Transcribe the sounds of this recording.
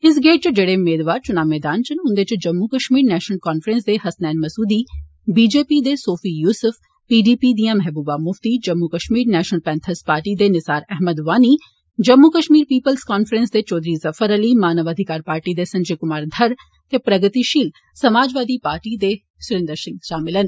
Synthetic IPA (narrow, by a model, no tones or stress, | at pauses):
ɪs̬ɡeːʈ̚t͡ʃd͡ʒeːɽeːʊmeːd̪ʋaːɾt͡ʃʊnaːmɛːd̪aːnt͡ʃənɦʊ̃nd̪eːt͡ʃd͡ʒɐmːukəʃmiːɾnɛːʃnəlkɔːnfʰɾɛnsd̪eːɦɐsnɛːnmɐsuːd̪iː | biːd͡ʒeːpiːd̪eːsoːfʰiːjuːsəfʰ | piːɖiːpiːd̪ijãːmɛɦbuːbaːmʊft̪iːd͡ʒɐmːukəʃmiːɾnɛːʃnəlpɛ̃ːnt̪ʰəspaːɾʈiːd̪eːnɪsaːɾɛɦməd̪ʋaːniː | d͡ʒəmːukəʃmiːɾpiːpəlskaːnfʰɾɛ̃nsd̪eːt͡ʃɔːd̪ɾiːzəfʰəɾəliːmaːnəʋəd̪ʱɪkaːɾpaːɾʈiːd̪eːsɐ̃ɲd͡ʒeːkʊmaːɾd̪ʱəɾ | t̪eːpɾəɡət̪iʃiːl | səmaːd͡ʒʋaːd̪iːpaːɾʈiːd̪eː | sʊɾɪ̃nd̪əɾsɪ̃ŋɡʃaːmɪlən